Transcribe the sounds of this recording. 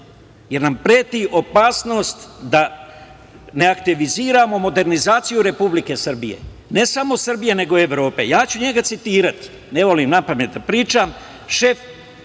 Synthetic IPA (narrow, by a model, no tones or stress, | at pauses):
je̞ɾnampɾeːt̪iʔo̞paːsno̞ːst̪d̪a | ne̞akt̪iʋiziːɾamo̞mo̞d̪e̞ɾnizaːt̪sijuɾe̞publike̞srbijḛ | ne̞samo̞sr̩bije̞ne̞ɡo̞e̞ʋɾo̞ːpe̞̰jaːt͡ɕuɲe̞ɡat̪sit̪iːɾat̪ | ne̞ʋo̞limnapame̞t̪̚d̪apɾiːt͡ʃam | ʃe̞f